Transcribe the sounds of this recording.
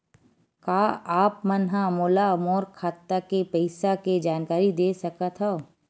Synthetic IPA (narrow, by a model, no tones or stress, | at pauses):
kaːaːpmɐnɦãmoːlaɐmoːɾkʰaːt̪ːakepɛɪsaked͡ʒaːnkaːɾid̪eːsɐkət̪ɦɛː